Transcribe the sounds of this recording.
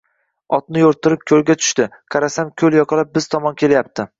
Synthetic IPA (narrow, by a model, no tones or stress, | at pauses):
ɒt̪̚nɪjoɾt̪ʰɪɾɪp̚kʲʰɵlɡʲat̪ʰʊ̥ʃt̪ɪqʰɑɾasamkʲʰɵljɒqʰɑlap̚bɪz̥t̪ʰɒmɒnkʲʰe̞ljap̚t̪ʰɪ